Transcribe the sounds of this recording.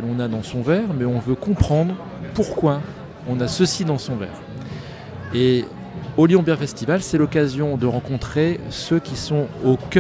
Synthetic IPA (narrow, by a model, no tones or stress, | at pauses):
ɛlɔ̃nad̪ɑ̃sɔ̃vɛʁmɛɔ̃vøkɔ̃pχɑ̃d̪ʁ | puʁkwa | ɔ̃nasəsid̪ɑ̃sɔ̃vɛ̰ːʁ | e | oljɔ̃bɛ̃ʁfɛst̪ivalsɛlɔkazjɔ̃d̪əʁɑ̃kɔ̃t̪χesøkʲisɔ̃ok